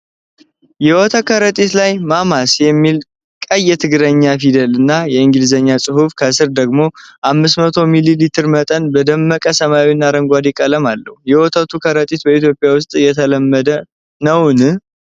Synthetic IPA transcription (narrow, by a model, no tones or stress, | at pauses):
jɛwɔt̪ʰəkʰəɾət̪ʼit̪lajmamasjɛmːil | kʼəjːɛt̪ʰɨɡɨɾəɲːafid̪əlɨnːajɛɨŋɡɨlzəɲːasʼɨhufkʰəsɨɾd̪əɡmo̞ʔamːɨsmət̪ʰo̞mililit̪ʰɨɾmət̪ʼənbəd̪əmːəkʼəsəmawinːaɾəŋɡʷad̪ikʼələmalːəhujɛwɔt̪ʰət̪ʰukʰəɾət̪ʼit̪̚bəit̪jo̞pʼɪjawʊst̪ʼjɛt̪ʰələmːəd̪ə | nəwnɨ